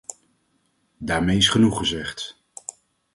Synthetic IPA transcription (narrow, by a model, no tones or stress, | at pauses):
daːɹmejɪsχənuχəzɛχt